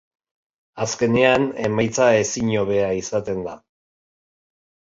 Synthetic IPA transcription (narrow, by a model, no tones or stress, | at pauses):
aske̞ne̞ane̞majt͡sae̞siɲo̞β̞e̞aisat̪e̞nd̪a